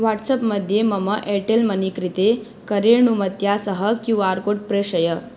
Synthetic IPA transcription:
ʋaʈsəpməd̪ʱjeməməʔɛʈelmənikɾit̪e | kəɾeɳumət̪jasəɦəkjũʋaɾkoʈ̚pɾeɕəjə

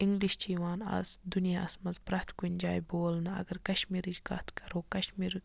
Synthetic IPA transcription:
iŋɡliʃt͡ʃiːʋaːnɐ̰zd̪unijaːsmɐzpɾɐht̪ʰkunʲd͡ʒaːjboːlnɐɐ̰ɡɐɾkɐʃmiːɾid͡ʒkɐt̪kɐɾoːkɐʃmiːɾ

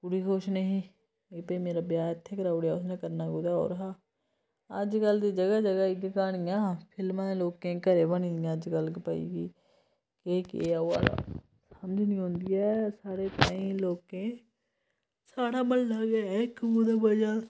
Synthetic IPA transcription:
puːɾiːkoːʃnəɦĩː | eːpəimeːɾabjaːət̪ʰːeːkəɾaːʊɽjaːʊsnẽkəɾnaːɡʊd̪ao̰ːɾɦaː | əd͡ʒkəld̪iːd͡ʒəɡad͡ʒəɡaːɪɡekaːɽ̃ijãːpʰɪlmaloːkẽkəɾeːbəñiɪjãd͡ʒkəlkipəḭkiː | kekeoa̰ɽa̰ | səmd͡ʒnĩːɦõːnd̪ijaːsaːɽet̪aːĩloːkẽ | saːɽaməllaɡeekɡʊd̪abəd͡ʒa

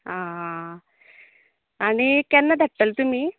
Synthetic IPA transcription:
ɦã | aɽ̃ikjanːad̪ʱaʈːəlt̪um̤iː

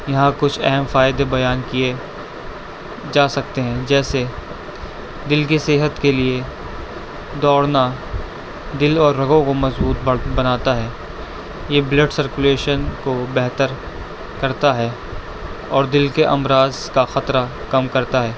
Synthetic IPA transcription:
jɐɦãkʊt͡ʃʰɛɦɛmfaːɪd̪ebɐjaːnkije | d͡ʒaːsɐk̚t̪eɦɛ̃d͡ʒɛːse | d̪ɪlkiseːɦət̪kelie | d̪ɔːɽna | d̪ɪlɔːɾːɐɡõkomɐzbuːt̪̚bbɐnaːt̪aɦɛː | jebleʈsɐɾkʊleːʃənkobɛɦt̪əɾ | kɐɾt̪aɦɛː | ɔːɾd̪ɪlkeʔɐmɾaːz | kaxɐt̪ɾa | kɐmkɐɾt̪aɦɛː

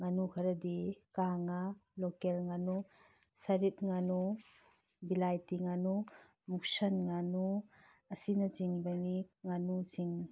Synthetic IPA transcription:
ŋanukʰɐɾɐdikaŋalɔkelŋanu | sɐɾit̚ŋanu | bilajtiŋanu | muk̚sɐnŋanu | ɐsinɐt͡ʃiŋbɐniŋanuziŋ

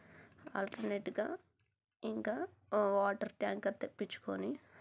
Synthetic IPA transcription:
a̰ːlʈɐɾneːʈɡa̰ː | iŋkaː | ʋaːʈɐɾʈjaːŋkɐɾt̪epːit͡ʃːu̥koni

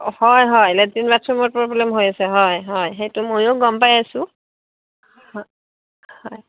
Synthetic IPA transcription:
hɔjɦɔjlɛzinbatʰɹɔmɔɹpɹɔblɛmɦojasɛɦɔjɦɔjxejtumojoɡɔmpajasʊ̃ | hɔj

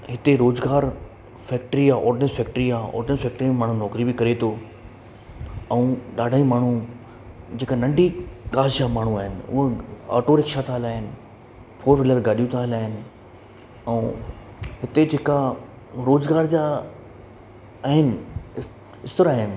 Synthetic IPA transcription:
ɦɪt̪eɾoːzɡaːɾ | fɛːk̚ʈɾijaʔɔːɖnesfɛːk̚ʈɾijaɔ̰ːɖnesfɛːk̚ʈɾimẽmaːɳ̤ũnɔːkɾibɪkɐɾet̪ʰo | ɛ̃ũɗaːɖʱaːimaːɳ̤u | d͡ʑeːkanɐ̃ɳɖʱikaːd͡ʑd͡ʑaːmaːɳ̤uaːɦɪnɪ̆ʊ̰ɦəa̰ːʈoɾɪkʃat̪ʰaːɦɪlaːɦɪnɪ̆ | fʰoːɾʋɪləɾɡaːɗijũt̪ʰaːɦɪlaːɦɪnɪ̆ | ɛũ | ɦɪt̪ed͡ʑeːka | ɾoːzɡaːɾd͡ʑaː | aːɦɪnɪ | ɪst̪əɾaːɦɪnɪ̆

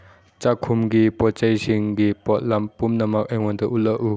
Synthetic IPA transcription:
t͡ʃakʰumɡipɔt͡ʃajsiŋɡipɔt̚lampumnɐmɐk̚ajŋɔntɔʔulɐʔu

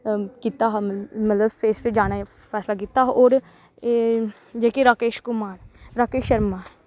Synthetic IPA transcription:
kit̪aɦmɐt̪ləbfeːsped͡ʒaːna | fɛːslak̬it̪aɦʔɔːɾ | d͡ʒɛːkiɾaːkeːʃkʊmaːɾɾaːkeːʃɐɾmaː

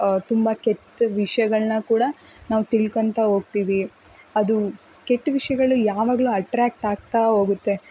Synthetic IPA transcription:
t̪umbɐkeʈːʋiʂɐjɐɡɐɭnɐkuːɽɐnaːʋut̪iɭkɐnt̪ɐɦo̞ːɡ̚t̪iːʋi | ɐd̪u | keʈːʋiʂɐjɐɡɐɭujaːʋaːɡɐɭuɐʈɾaːk̚ʈaːɡ̚t̪aɦo̞ːɡut̪ːe̞

